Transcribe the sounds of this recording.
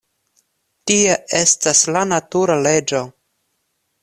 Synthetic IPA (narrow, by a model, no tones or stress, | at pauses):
tieʔe̞staslanatuɾale̞d͡ʒo̞